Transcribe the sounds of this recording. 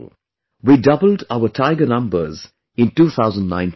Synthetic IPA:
wiːdʌbəl̩daʊətʰaɪɡənʌ̃mbə̰z | ɪ̃ntuːt̪ʰaʊzə̃ndnã̰ɪ̃n

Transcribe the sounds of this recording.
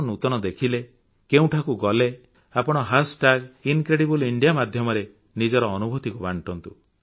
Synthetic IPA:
nut̪ɔnɔd̪ekʰile | keũʈʰakuɡɔle | apɔɽ̃ɔɦasʈaɡinkɾeɽibuliɳɖijamad̪ʱjɔmɔɾe | nid͡ʒɔɾɔːnubʱut̪ikubaɳʈɔnt̪u

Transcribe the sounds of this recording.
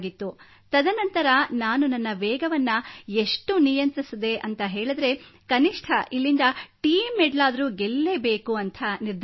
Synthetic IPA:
ɡit̪ːu | t̪ɐd̪ʱɐnɐnt̪ɐɾɐnaːnunɐnːɐʋɛːɡɐʋɐnːɐeʂʈunijɐnt̪ɾisid̪e̞ʔɐnt̪ɐɦeːɭɐd̪ɾe̞kɐniʂʈʰɐʔilːind̪ɐʈiːmːeɖlaːd̪ɐɾuːɡelːebeːkuɐnt̪ʰɐniɾd̪

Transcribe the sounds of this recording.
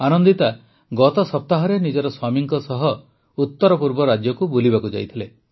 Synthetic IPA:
anɔnd̪it̪a | ɡɔt̪ɔsɔp̚t̪aɦɔɾenid͡ʒɔɾɔswamiŋkɔsɔɦɔ | ut̪ːɔɾɔpuɾbɔɾad͡ʒjɔkubulibakud͡ʒa̰jt̪ʰile

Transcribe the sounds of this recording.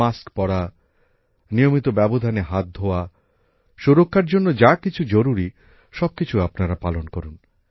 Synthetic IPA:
askpɔɽa | nijomit̪obɛbod̪ʱaneɦat̪̚d̪ʱoa | ʃuɾokʰːaɾd͡ʑonːod͡ʑakit͡ɕʰud͡ʑoɾuɾi | ʃɔb̚kit͡ɕʰuapnaɾapalonkɔɾun

